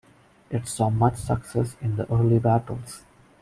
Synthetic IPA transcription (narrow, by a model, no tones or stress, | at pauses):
ɪʈsɔːmʌt͡ʃsʌksɛsɪ̃nd̪əʔəːɾlibæʈəlz̥